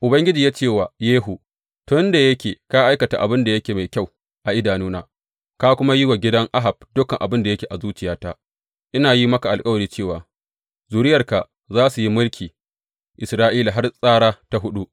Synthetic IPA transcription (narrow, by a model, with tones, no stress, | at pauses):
ʔʊ˨bɐ˦ŋɡʲɪ˦d͡ʒiː˨jaː˦t͡ʃeː˦˨waː˨jeː˦ɦu˨ | tʊ˦nda˨jɐ˦kʲeː˨ka˦ʔa˦jkɐ˨ta˨ʔa̰˨bɪ˦nda˨jɐ˦kʲeː˨ma˨jkʲa˦˨w | ʔa˨ʔɪ˦daː˨nuː˦na̰ː˦ | ka˦kʷʊ˦ma˦ji˦wa˨ɡʲɪ˦dɐ˦ŋʔa˦ɦa˨b̚dʊ˦kɐ˨ŋʔa̰˨bɪ˦nda˨jɐ˦kʲeː˨ʔa˨zuː˦t͡ʃɪ˨jaː˦taː˦ | ʔɪ˦naː˨ji˦mɐ˦ka˨ʔa˨lkʼɐ˦wɐ˨ɽiː˦t͡ʃeː˦˨waː˨ | zuː˨ɾɪ˦jɐ˨rka˨ | zaː˦su˨ji˦mʊ˦lkʲʰiː˨ | ʔɪ˨sɾaː˦ʔiː˦la˨ɦa˦rsʼaː˦ɽaː˦ta˦ɦʊ˦ɗu˦ʔ